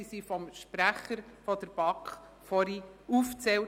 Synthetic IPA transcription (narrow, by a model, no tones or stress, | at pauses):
isifɔmʃpɾæχəɾfɔd̪̥əɾb̥ɑkχ | fɔɾiuft͡sɛw